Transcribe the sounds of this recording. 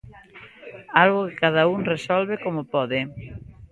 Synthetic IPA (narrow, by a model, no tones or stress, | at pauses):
alɣʊkɪkað̞auŋresɔlβekomʊpɔðɪ